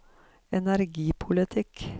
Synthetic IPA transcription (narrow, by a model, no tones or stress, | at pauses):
ɛnæɾɡiːpʰʊlɪt̪ʰɪk